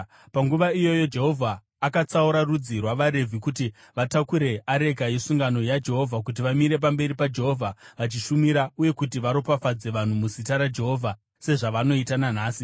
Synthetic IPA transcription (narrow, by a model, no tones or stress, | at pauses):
paŋɡuʋaijo̞jo̞d͡ʒe̞ɦo̞vʱaː | kat͡sauɾarud͡zirwaʋaɾe̞vʱikuti | ʋatakuɾe̞ʔaɾe̞ɡʱajesuŋɡano̞jad͡ʒe̞ɦo̞vʱakut̬iʋamiɾe̞p̬ambe̞ɾipad͡ʒe̞ɦo̞vʱaʋat͡ʃiʃumiɾauje̞kutiʋaɾopafad͡ze̞ʋan̤umusitaɾad͡ʒe̞ɦo̞ːvʱa | se̞ʐaʋano̞itanan̤aːsi